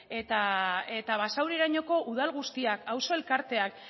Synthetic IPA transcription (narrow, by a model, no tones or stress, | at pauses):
e̞t̪ae̞t̪aβ̞asawɾiɾaɲo̞ko̞ʔuðalɣ̞ust̪iakawso̞e̞lkaɾt̪e̞ak